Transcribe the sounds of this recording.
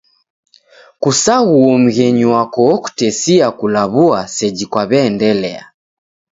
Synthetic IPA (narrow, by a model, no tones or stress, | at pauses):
kusaɣuɔm̩ɣɛɲuwakɔːku̥tɛsiakulaβuasɛd͡ʒikwaβɛːndɛlɛ̰a̰